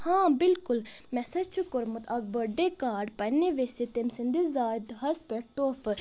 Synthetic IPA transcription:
hãːbɪlkʊlmɛsɐt͡ʃʰukʊɾmət̪ɐk̚bəɖekaːɖpɐnːeʋesit̪emsind̪izaːjd̪ɦɐspeʈ̚t̪oːf

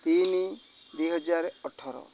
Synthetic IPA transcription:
t̪ini | d̪eɦɔd͡ʒaɾeɔʈʰːɔɾɔ̰

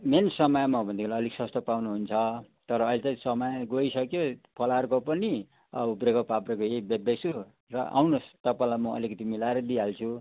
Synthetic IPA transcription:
mensʌmʌjmʌbʱʌnd̪ikʰlaʌliksʌst̪ʌpawnuɦunt͡sʰʌ | t̪ʌɾʌːilet͡sãĩsʌmʌjɡoisʌkjopʰʌlarkopʌni | ʌ̰bubrekʌpaprekojebjʌbesu | rʌ̰ʔa̰wnost̪ʌpãĩlajmʌʌ̰likʌt̪imilaeɾʌd̪iɦalt͡sʰu

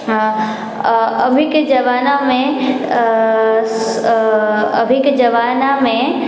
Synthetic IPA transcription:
ɐbʱɪkd͡ʒɐʋaːnamẽ | ɐ̰bʱɪkd͡ʒɐʋaːnamẽ

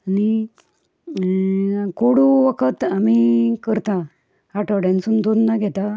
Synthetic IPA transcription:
ani | koɽuʋəkʰət̪amikəɾt̪a | aʈəɽjãnt͡sund̪onːaɡʱɛt̪a

